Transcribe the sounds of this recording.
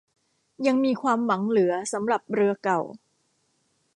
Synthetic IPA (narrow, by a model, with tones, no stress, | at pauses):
ja˧ŋmiː˧kʰwaː˧mwa˩˦ŋlɯ˩˦ɐsa˩˦mɾa˨˩p̚ɾɯ˧ɐka˨˩w